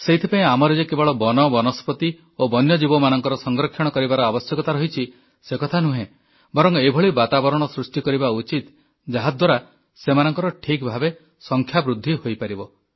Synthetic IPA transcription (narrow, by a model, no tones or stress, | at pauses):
seit̪ʰipaĩamɔɾed͡ʒekebɔɭɔbɔnɔbɔnɔspɔt̪i | obɔnjɔd͡ʒibɔmanɔŋkɔɾɔsɔŋɡɾɔkʰːjɔɽ̃ɔkɔɾibaɾɔabɔsjɔkɔt̪aɾɔɦit͡ʃʰi | sekɔt̪ʰanuɦẽ | bɔɾɔŋebʱɔɭibat̪abɔɾɔɽ̃ɔsɾusʈikɔɾibaut͡ʃit̪ | d͡ʒaɦad̪ʱwaɾa | semanɔŋkɔɾɔʈʰikbʱabe | sɔŋkʰjabɾud̪ʱːihojpaɾibɔ